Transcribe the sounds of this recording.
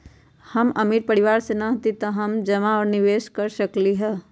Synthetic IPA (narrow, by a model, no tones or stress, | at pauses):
hɐmɐmiɾpɐɽɪʋaːɾsenɐɦt̪it̪ɐɦɐmd͡ʒɐmaɔːɾnɪʋeːʃkɐɾʃɐkliɦɛː